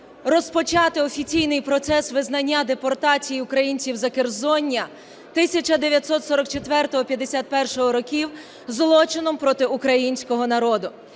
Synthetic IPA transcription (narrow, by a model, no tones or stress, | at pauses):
rɔspɔt͡ʃɑt̪ɪɔfʲit͡sʲijnɪjpɾɔt̪sɛsʋɪznɐnʲːad̪epɔrt̪ɑt͡sʲijiʊkɾɐjinʲt͡sʲiwzɐkerzɔnʲːɐ | t̪ɪsʲɐt͡ʃɐd̪eʋʲjɐt̪sɔt̪sɔɾɔkt͡ʃet̪ʋɛrt̪ɔɦɔpʲjɐd̪ːesʲat̪̚pɛrʃɔɦɔɾɔkʲiw | zlˠɔt͡ʃɪnɔmpɾɔt̪ɪukɾɐjinʲsʲkɔɦɔnɐɾɔd̪ʊ